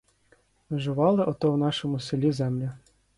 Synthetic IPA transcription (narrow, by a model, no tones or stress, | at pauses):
ʋɪʒʊʋɑlˠɪʔɔt̪ɔwn̪ɑʃɔmʊselʲizɛmlʲɐ